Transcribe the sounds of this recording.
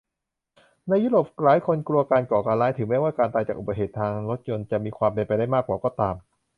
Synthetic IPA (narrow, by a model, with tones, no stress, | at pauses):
na˧jːuː˦˥˩ɾoː˨˩p̚laː˨˦jkʰo˧nklu˧ɐkaː˧nkɔː˨˩kaː˧nlaː˦˥jt̪ʰɯ˩˦mɛː˥˩waː˥˩kaː˧nt̪aː˧jt͡ɕaː˨˩kʔu˨˩ba˧˩ɦeː˨˩t̪ʰːaː˧ŋɾo˦˥t̪̚jo˧nt͡ɕa˨˩ʔmiː˧kʰwaː˧mpe˧npa˧jda˥˩jmaː˥˩k̚ːwaː˨˩kɔː˥˩t̪aː˧m